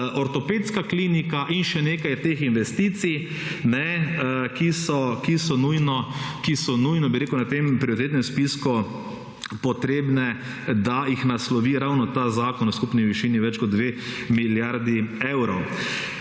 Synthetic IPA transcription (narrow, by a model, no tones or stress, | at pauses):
ʔɔɾt̪ɔpeːt̪skakliːnikaʔinʃɛneːkajt̪eːxinʋɛst̪iːt̪sij | nɛkisɔkisɔnujnɔkisɔnujnɔbiɾeːkuwnat̪empɾioɾit̪et̪nɛ̃mspisku | pɔt̪ɾeːbnɛ | d̪ajixnaslɔʋiɾawnɔt̪azaːkɔnɔskupniʋiʃiniʋɛt͡ʃkɔd̪̚d̪ʋe | miljaɾd̪iɛwɾɔw